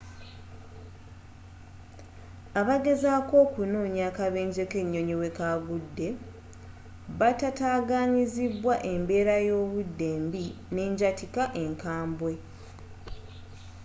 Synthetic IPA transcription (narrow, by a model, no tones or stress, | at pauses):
aβaɡe̞zaːko̞ːkuno̞ːɲaːkaβe̞ːɲɟeke̞ɲːo̞ɲiwe̞kaɡudːe̞ | βatataːɡaːɲiziβwaʔe̞mbe̞ːɾajo̞ːβudːe̞ːmbine̞ːɲɟatikaʔe̞ŋkaːmbwe̞